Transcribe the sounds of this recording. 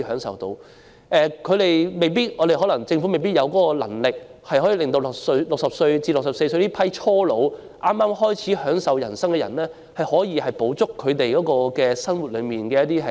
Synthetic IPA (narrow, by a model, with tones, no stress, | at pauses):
hœː˨˥ŋsɐ̰˨wt̪o˧w | ʔɛː˨kʰɵ˨˧ɥɾe˨jme˨jp̬iː˥t̚ɔː˨˧ɾe˨˩jɦɔ˨˧˥lɐ˨˩ŋt͡sɪ˧ŋfu˨˥me˨˩jpiː˥t̚jɐ˨˧wkɔː˨˧˥kɔ˧lɐ̰˨˩ŋlɪ˨k̚hɐ˨jhɦɔ˨˥jiː˨˧lɪ˨ŋt̪o˧wlʊ˨k̚sɵ˧ɥlʊ˨k̚sɐ˨p̚sɵ˧ɥt͡siː˧lʊ˨ksɐ˨pse˧jsɵ˧ɥt̪i˥pʰɐ˥jt͡ʃʰɔː˥lo˨˧w | ʔaː˥mːaː˥mhɔː˥jt͡sʰiː˨˥hœː˨˥ŋsɐ˨˧wjɐ˨˩nsɐ˥ŋkɛː˧jɐ̰˨˩nlɛː˥ | hɐ˨jhɔː˨˥jiː˧hɐ˨jpo˨˥wt͡sʊ˥kʰːɵ˨˧ɥt̪e˨jkɔː˨˥kɔː˧kɛː˧sɐ˥nwu˨t̚lɵ˨˧ɥmiː˨nkɛː˧jɐ˥t̪̚iː˥ɦɐ˨˩